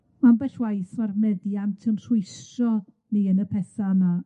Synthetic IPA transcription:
manbɛɬwajθarnɛdiamtʰəmsʊjstrɔ | niənəpʰɛθana

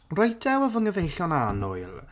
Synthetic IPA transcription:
rɔjdʰɛwɔvəŋəvejɬjɔnanʊ̰ɨlˠ

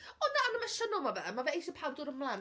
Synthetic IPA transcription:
ɔnaanəmaʃənɔmavɛmavɛejsəpʰawdʊɾəmmlˠan

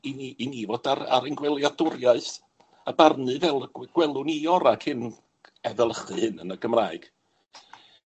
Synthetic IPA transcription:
iniinivodaɾa̰ɾɛŋɡwɛlˠjadʊrjaɨθ | abarnɨvɛlˠɡ̥wɛlˠʊniɔɾakʰɪn | ɛðəlˠəχɨhɨnənəɡəmraːɨɡ̥

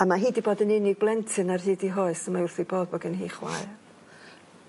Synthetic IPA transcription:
amaɦiːdiboːdənɪnɪɡ̚blˠɛntʰɨnarɦiːdiɦoɨsəmaʊrθiboːdvɔɡənɦḭːχwa̰ɨ

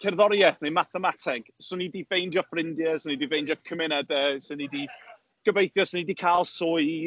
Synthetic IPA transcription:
kʰɛrðɔɾjɛθnɛmaθəmatʰɛɡ̥sʊnidivejndjɔfrɪndjəsʊnidivejnd͡ʒjɔkʰəmɪnədəsənidi | ɡ̥əvejθjɔsɔnidikʰalˠsoː

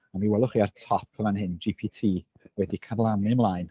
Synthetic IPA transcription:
amiwɛlˠʊχiːartʰɔp̚ʰəvanhɨnd͡ʒipʰitʰiː | wɛdikʰanlˠanɨmlˠaːjn

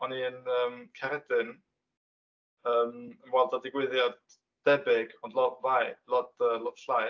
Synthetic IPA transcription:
ɔniənəːmkʰɛɾɛdɨn | əːmənwɛlˠdɔdɪɡwɪðjɔd | d̥ɛbɪɡɔndlˠɔdvajlɔdəːlɔdflaj

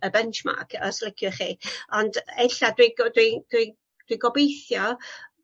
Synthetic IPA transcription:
əbɛnt͡ʃma̰kʰəslˠəkʰjʊχiːɔndɛɬadwiɡdwid̥wi | d̥wiɡɔbejθjɔ

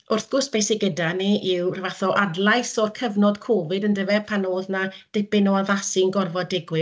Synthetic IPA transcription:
ʊrθɡ̥ʊsb̥ejsɪɡədaneʔiwrvaθɔʔadlˠajsɔrkʰəvnɔdkʰoːvɨdəndəvɛpʰanoːðnad̥ɪbɪnɔaðasɪnɡɔrvɔdɪɡwɪ

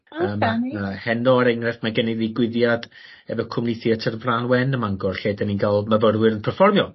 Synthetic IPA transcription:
əːmahɛnɔəɾɛŋrɛfmaɡənɛðiɡwɪðjad | ɛvɔkʰʊmnɪθiətʰərvranwɛnəmaŋɡɔrɬeːdəninɡalˠməvəɾwɪɾənpʰɛrfɔrmjɔ

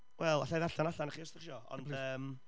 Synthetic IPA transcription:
wɛlˠaɬajðaɬanaɬanaχiːɔstɪχʃɔɔ̰ndəːm

